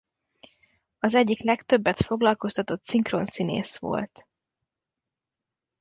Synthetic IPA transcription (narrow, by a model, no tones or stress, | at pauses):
ɒzɛɟːiklɛkt̪ø̞bːɛt̪fo̞ɡlɒlko̞st̪ɒt̪o̞t̪siŋkro̞nsinḛːsʋo̞̰lt̪